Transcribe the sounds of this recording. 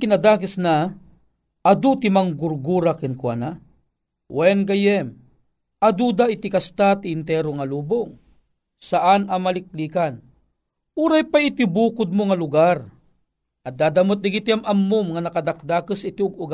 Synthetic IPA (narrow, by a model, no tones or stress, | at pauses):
kɪnad̪aːkəsna | ʔad̪ut̪imaŋɡʊɾɡuɾakinkwa̰na | wʔɛnɡɐjɛm | ɐd̪ud̪aɪt̪ɪkast̪at̪iːnt̪ɛɾoŋaluːboŋ | saʔanamalɪk̚liːkan | uɾajpaɪt̪ibuːkʊd̪̚moŋalʊɡaɾ | ʔɐd̪aːd̪amot̪̚naɡit̪iamʔamːʊmŋanɐkad̪ak̚d̪akəsɪt̪iʊɡʊɡa